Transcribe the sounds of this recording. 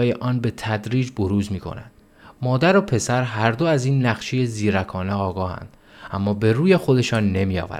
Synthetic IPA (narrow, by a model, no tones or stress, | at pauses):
ɒːjeʔɒːnbe̞t̪ʰæd̪ɾiːd͡ʒbo̞ɾuːzmiːkʰo̞̰næ̰nd̪̥ | mɒːd̪æɾopʰe̞sæɾɦæɾd̪oæziːnːæɣʃeje̞ziːɾækʰɒːneɒːɡɒːhæ̰nd̪̥ | æmːɒːbe̞ɾuːje̞xo̞d̪e̞ʃɒːnːe̞miːɒ̰ːvæ̰ɾ